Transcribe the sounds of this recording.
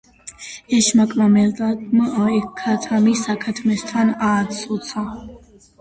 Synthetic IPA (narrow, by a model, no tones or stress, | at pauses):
ɛʃmakʼmamɛd̪amɔɛkʰːat̪ʰamisakʰat̪ʰmɛst̪ʰanaːt̪sʰʼɔt̪sʰa